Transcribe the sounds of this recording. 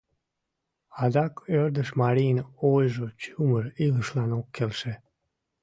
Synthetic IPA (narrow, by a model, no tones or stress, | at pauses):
ɑd̪ɑkørd̪əʃmɑɾijənojʒot͡ɕuməɾiləʃlɑnokʰːelʃe